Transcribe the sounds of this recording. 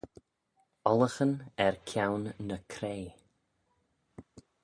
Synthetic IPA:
ɔləxənɛɹkʰjawnːəkʰɾeː

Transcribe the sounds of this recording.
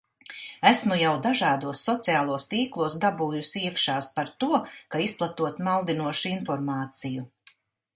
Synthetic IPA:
æsmujawd̪aʒaːd̪uɔsːɔt̪siaːlˠuɔst̪iːklˠuɔsd̪abuːjusiɛkʃaːspaɾt̪uɔkaisplˠat̪uɔt̪malˠd̪inuɔʃuinfɔɾmaːt̪siju

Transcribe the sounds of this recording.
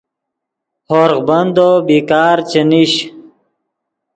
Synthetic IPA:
hoːɾʁbɐnd̪obiːkaːɾt͡ɕɐniɕ

